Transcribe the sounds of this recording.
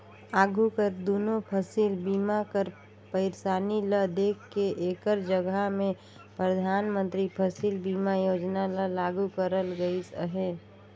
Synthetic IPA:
aːɡukəɾd̪oːnopʰəsiːlbiːmakəɾ | pəɪɾsaːniləd̪eːkʰːeʔeːkəɾd͡ʒəɡamẽ | pɾəd̪ʱaːnmə̃nt̪ɾipʰəsiːlbiːmajoːd͡ʒnaləlaːɡukəɾəlɡəisəɦeː

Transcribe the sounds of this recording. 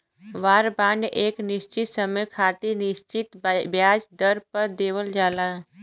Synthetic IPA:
ʋaːɾbaːɳɖʔeːknɪʃt͡ʃɪt̪səməjkʰaːt̪inɪʃt͡ʃɪt̪bjaːd͡ʒd̪əɾpəɾd̪eːwəld͡ʒaːlaː

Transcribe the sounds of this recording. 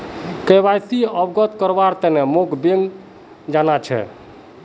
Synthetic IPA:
kəjbajsiəbɡət̪kəɾbaɾt̪ɛnemokbeŋɡ | d͡ʒanat͡ʃʰɛ̰

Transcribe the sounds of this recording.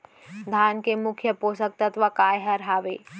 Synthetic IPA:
d̪ʱaːnkemʊkʰjəpoːsək̚t̪ɐt̪ʋəkaːjɦɐɾɦaːʋeː

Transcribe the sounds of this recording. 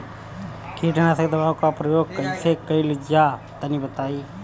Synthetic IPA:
kiːʈəñased̪əbaːʋkapɾəjoːɡ̚kəisekəilid͡ʒa | t̪ənibət̪aːiː

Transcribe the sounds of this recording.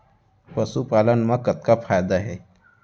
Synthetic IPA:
pəsupalənmãkət̪̚kapʰaːjd̪aɦɛ

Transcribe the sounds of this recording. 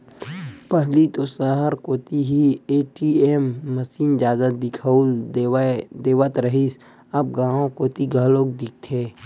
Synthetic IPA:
pəɦlit̪osaɦəɾkoːt̪iɦieːʈiemːəsiːnd͡ʒaːzət̪̚d̪ɪkʰəl | d̪eːwət̪ɾəɦis | ɐb̚ɡãːõkoːt̪iɡʱəloːk̚d̪ik̚t̪ʰeː

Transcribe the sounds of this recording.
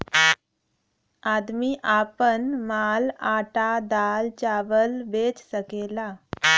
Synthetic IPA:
ad̪miʔapənmalaʈad̪alt͡ɕaʋəlbet͡ssəkela

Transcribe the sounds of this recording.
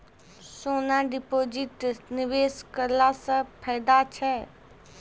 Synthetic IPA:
soːnaɖɪpoːd͡ʒɪʈnɪʋeːskəlasəpʰɛːd̪at͡ʃʰɛ

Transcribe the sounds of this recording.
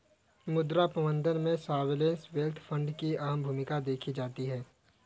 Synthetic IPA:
mʊd̪ɾapɾəmə̃nd̪ʱənmẽsaːʋɪlẽːnsʋelt̪ʰfʰə̃ɳɖkiaːəmbʱuːmɪkad̪eːkʰid͡ʒaːt̪iɦɛː

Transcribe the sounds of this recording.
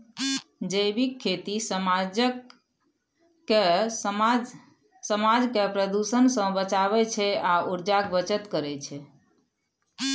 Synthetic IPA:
d͡ʒəjbikʰːet̪isəmad͡ʒə | e | səmad͡ʒkepɾəd̪usənsə̃bət͡ʃabɛt͡ʃʰɛauɾd͡ʒakbət͡ʃət̪kəɾɛt͡ʃʰɛ

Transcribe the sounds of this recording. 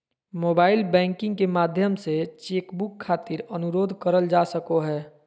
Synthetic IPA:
moːbaːɪlbɛ̃ːŋkɪ̃ŋɡkemaːd̪ʱjəmset͡ʃeːkbʊkʰːaːt̪ɪɾənʊɾoːd̪ʱkəɾəld͡ʒaːsəkoɦɛː

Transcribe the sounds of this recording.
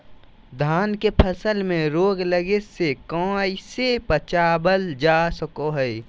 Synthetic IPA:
d̪ʱaːnkepʰəsəlmẽɾoːɡləɡesekɔ̃ːisepət͡ʃaːbəld͡ʒaːsəkoɦɛj

